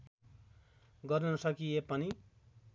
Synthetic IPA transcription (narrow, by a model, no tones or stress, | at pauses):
ɡʌrnʌsʌkijepʌni